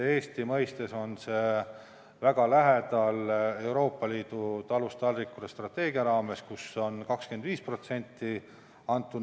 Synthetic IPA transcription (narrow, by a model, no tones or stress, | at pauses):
e̞ːst̪imɤ̞jst̪e̞so̞nse̞ | væɡ̥ɑlæɦed̪̥ɑle̞wɾo̞ːpˑːɑliːd̪̥ut̪ɑlust̪ɑlrikːˑud̪est̪rɑt̪ːe̞ːɡiɑɾɑːme̞skuso̞nkɑkskend̪viːspro̞t̪se̞nʲt̪ːi | ɑnt̪ːˑu